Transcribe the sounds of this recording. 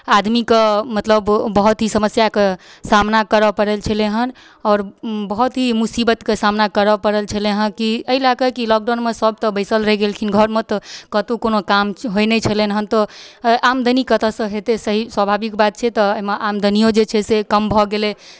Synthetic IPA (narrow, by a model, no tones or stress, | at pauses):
ad̪mikemət̪ləbːəɦut̪ɦisəməsjakesamnakəɾəpəɾelt͡ʃʰəleɦən | ɔːɾbəɦut̪ɦimusibət̪kesamnakəɾəpəɾəlt͡ʃʰəleɦənkiəɦilakəkilɔk̚ɖanmesəb̚ʱt̪ɔbəɪsəlɾəɦɛɡelkʰinɡʱəɾmet̪ɔkət̪ukonokamɦojnɛt͡ʃʰəlenɦənt̪ɔʔamd̪ʱənikət̪əsə̃ɦet̪esəɦiswəbʱabikbat̪̚t͡ʃʰɛt̪ɔəɦimeʔamd̪ʱənijod͡ʒet͡ʃʰɛsekəmbʱɔɡele